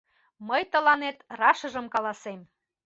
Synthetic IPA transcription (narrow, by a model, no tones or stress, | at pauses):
məjt̪ə̆lɑnet̪rɑʃɤ̆ʒəmkɑlɑsem